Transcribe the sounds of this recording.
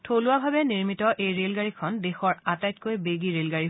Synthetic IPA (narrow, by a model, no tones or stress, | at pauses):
tʰolʊwabʱabɛniɹmitɔʔejɹelɡaɹikʰɔndexɔɹatajt̚kojbeɡiɹelɡaɹi